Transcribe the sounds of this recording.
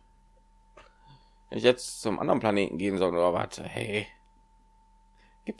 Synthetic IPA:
vɛ̰nɪçjɛt͡st͡sʊmʔa̰ndəʁnpʰl̥aneːtn̩ɡeːənzɔlnuːɐva̰ɐtʰə̰hɛ̰h | ɡ̥iːp̚

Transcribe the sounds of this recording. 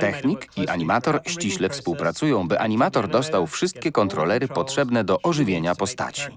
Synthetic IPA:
t̪ɛxɲikiʔaɲimat̪ɔɾɕt͡ɕiɕlɛfspuwpɾat̪sujɔ̃w̃bɘʔaɲimat̪ɔɾd̪ɔst̪awfʂɘst̪̚kʲɛkɔnt̪ɾɔlɛɾɘpɔtʂɛbnɛd̪ɔʔɔʐɘvʲjeɲapɔst̪a̰t͡ɕi̥

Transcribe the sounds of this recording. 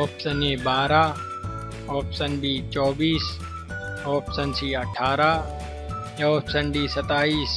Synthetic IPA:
ɔːpsənebaːɾaː | ɔːpsənɖiːt͡ʃɔːbiːs | ɔːpsɐnsiːɐʈʰaːɾaː | jaɔːpsənɖiːsɐt̪aːiːs

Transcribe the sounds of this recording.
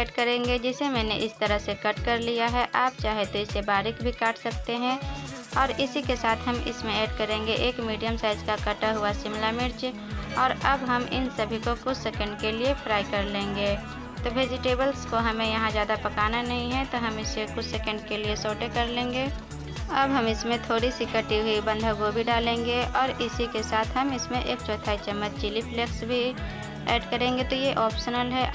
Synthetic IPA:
eːɖkɐɾẽːŋɡed͡ʒɪsemɛ̃ːneʔɪst̪əɾəɦsekɐʈkɐɾlijaɦɛʔaːp̚t͡ʃaːɦet̪oɪsebaːɾɪkbʱikaːʈʰsɐk̚t̪eɦɛ̃ | ɔːɾɪsikesaːt̪ʰɦɐmɪ̰smẽeːɖkɐɾẽːŋɡeʔeːkmiːɖijəmsaːɪzkakɐʈaɦʊasɪmlamɪɾd͡ʒ | ɔːɾɐbɦɐmɪ̰nsɐbʱikokʊt͡ʃʰsɛkə̃ɳɖkeliepʰɾaːɪkɐɾlẽːŋɡeː | t̪oʋeːd͡ʒɪʈeːbəlskoɦɐmẽjɐɦãzjaːd̪apɐkaːnanɐɦĩɦɛt̪oɦɐmɪsekʊt͡ʃʰsekə̃ɳɖ̚keliesoːʈekɐɾlẽːŋɡe | ɐbɦɐmɪsmẽt̪ʰoːɽisikəʈiɦuibɐ̃nd̪ʱaɡobʱiɖaːlẽːŋɡeɔːɾɪsikesaːt̪ʰɦɐmɪsmẽʔeːk̚t͡ʃɔːt̪ʰaːit͡ʃəmːət͡ʃt͡ʃɪlipleksbʱi | ɛːɖkəɾẽːŋɡet̪ojeʔɔːpsənəlɦɛ

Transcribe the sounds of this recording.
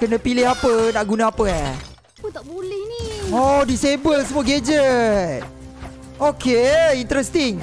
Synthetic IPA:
kənə̃pilɪɦapənaʔɡunaapəa | pət̪abolɛhniodisebəlsəmuaɡed͡ʒət̚ | okʰeint̪ɾɛst̪iŋ

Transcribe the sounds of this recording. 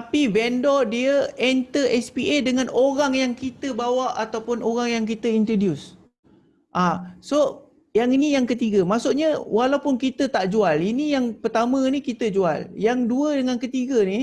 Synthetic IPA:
apivɛndɔdiəɛnt̪əʔɛspiʔedəŋanoɾaŋjaŋkit̪əbawaʔat̪awpʊnʔoɾaŋjaŋk̬it̪əint̪ɾodjus | ʔãso | jaŋinijaŋkət̪iɡəmaʔsuʔɲawʔalawpʊnkit̪ət̪aʔd͡ʒualinijaŋpərt̪amə̃nikit̪əd͡ʒua̰ljaŋduədəŋankət̪iɡəni

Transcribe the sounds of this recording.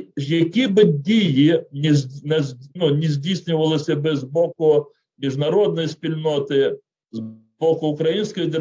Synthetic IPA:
jɐkʲibɪdʲijinʲnɛnunʲizʲdʲisʲnʲʊʋɐlˠɪsʲɐbɪzbɔkʊ | mʲiʒnɐɾɔd̪̚nɔjispʲilʲnɔt̪ɪ | z | bɔkʊʊkɾɐjinʲsʲkɔjd̪e

